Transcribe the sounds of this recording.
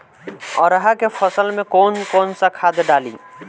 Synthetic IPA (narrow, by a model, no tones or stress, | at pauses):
ɔːɾəɦakefʰəsəlmẽkɔːnkɔːnsakʰaːd̪ɖaːlḭː